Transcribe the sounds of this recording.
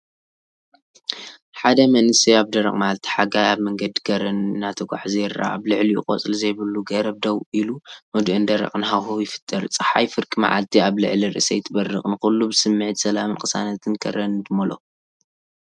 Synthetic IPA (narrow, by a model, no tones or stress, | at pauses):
ħad̪ɐmɐnɨsiaβd̪ɐɾɐ̰χʼmaʕalt̪ʰi̥ħaɡajaβmɐŋɡɐd̪iɡɐɾɐnnat̪ʰɐɡʷa̰ħzɐɾa̰aβlɨʕlijɪ̰kʼo̰t͡sʼlzɐjβɐlːuɡɐɾɐb̚d̪ɐwʔilumɨd̪ʔɨnd̪ɐɾɐ̰χʼnɦawɦujɪfɨ̥t̪ʼːɐɾt͡sʼɨħajfɨɾkʼima̰ʕa̰lt̪ʰiaβlɨ̰ʕliɾɨ̰ʔɨsɐjt̪ʰɨbɐrːɨχʼnɨkulːubɨsɨmːɨʕɨt̪sɐlamɨnkʰʼɨsa̰nɐt̪ʰɨnkʰɐ̰ɾɐnɨd̪ɨmɐlo̰